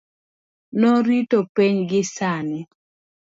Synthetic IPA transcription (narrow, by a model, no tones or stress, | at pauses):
nɔɾitopiɲɡɪsanɪ